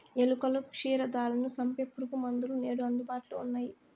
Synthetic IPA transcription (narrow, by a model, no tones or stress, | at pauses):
elukɐlukʂiːɾɐd̪aːlɐnusɐmpjɐpːuɾukumɐnd̪ulune̞ːɽuɐnd̪ubaːʈuluunːaːji